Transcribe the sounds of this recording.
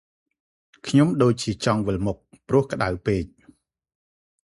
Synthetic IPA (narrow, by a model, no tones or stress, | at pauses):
kʰɲomɗoːc̚t͡ɕiət͡ɕɑŋʋɨlmʊk̚prʊ̆əhkə̆ɗawpeːc̚